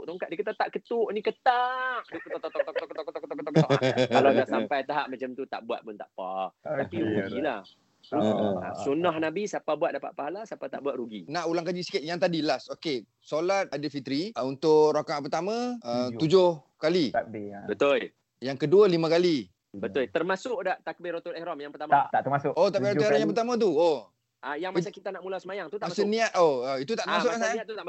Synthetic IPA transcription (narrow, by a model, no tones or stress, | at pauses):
ʔt̪oŋkaʔdikət̪aʔt̪aʔkət̪uʔnĩkət̪aʔdukt̪ɔt̪ɔt̪ɔkt̪ɔk̚t̪kət̪ɔʔkət̪ɔkət̪akət̪akkaladaʔsampajt̪aɦaʔ̚mãt͡ʃamt̪ut̪a̰ʔbua̰t̪̚mʊnt̪a̰ʔpat̪apiɾɡuɡilah | ɾṵsunɔhnabisapabuat̪̚dapa̰ʔ̪̚paɦalasapat̪a̰ʔbuaʔ̪ɾuɡinãʔulaŋkad͡ʒisi̥kaʔ̪jaŋt̪̬adilasoke | solat̪̚adəfit̪ɾiunt̪ʊʔɾokaʔpərt̪amə̃ət̪ud͡ʒʊh | kalibət̪ʊl | jaŋkəduəlimə̃kali | bət̪ʊlt̪ərmasʊʔdaʔt̪akəbɪɾot̪ulɛhɾɔmjaŋpərt̪amat̪aʔt̪əmasʊot̪aʔpiɾoɾɔmjaŋpərt̪amãt̪̬uo | ʔajaŋmasakit̪anaʔmulasəmajaŋt̪ut̪asəniat̪̚ʔoəit̪ut̪aʔt̪əmasʊkasaat̪ut̪a